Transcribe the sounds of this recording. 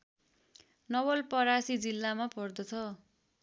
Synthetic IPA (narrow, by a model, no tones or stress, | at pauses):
nʌwʌlpʌɾasid͡zilːamapʌrd̪ʌt͡sʰʌ